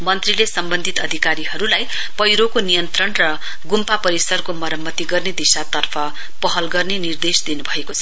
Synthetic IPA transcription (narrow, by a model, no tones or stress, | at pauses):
mʌnt̪rilesʌmbʌnd̪ʱit̪ʌd̪ʱikaɾiɦʌɾulaj | pʌjɾokonijʌnt̪rʌnrʌ | ɡumpapʌɾisʌrkomʌɾʌmːʌt̪iɡʌrned̪isat̪ʌrpʰʌ | pʌɦʌlɡʌrnenird̪esd̪inubʱʌekot͡sʰʌ